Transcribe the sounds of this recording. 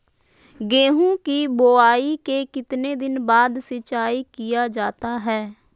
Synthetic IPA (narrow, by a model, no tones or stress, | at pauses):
ɡeːɦũːkiboːaːiːkeːkɪt̪neːd̪ɪnbaːd̪sət͡ʃaːiːkɪjaːd͡ʒaːt̪aːɦɛː